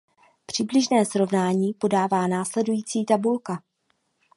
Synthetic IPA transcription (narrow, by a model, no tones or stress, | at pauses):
pr̝̥ɪblɪʒnɛːsɾo̞vnaːɲiːpo̞daːvaːnaːslɛdujiːt͡siːt̪abulka